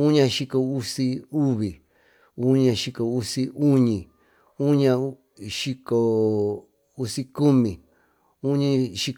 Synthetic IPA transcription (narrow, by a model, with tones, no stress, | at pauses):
u˦ɲã˧ʃi˧ko˧u˦si˧u˦βi˨ | u˦ɲã˧ʃi˧ko˨u˦si˧u˦ɲĩ˨ | u˦ɲã˧˦ | ʃi˧ko˨ | u˦si˧ku˦mĩ˨ | u˦ɲĩ˧ʃi˧